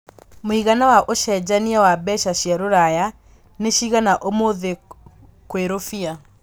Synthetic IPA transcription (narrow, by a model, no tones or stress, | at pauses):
moiɣanawaʔoʃɛd͡ʑaniawabɛɕaɕjaɾoɾaja | neɕiɣanaʔomoðe | kweɾofia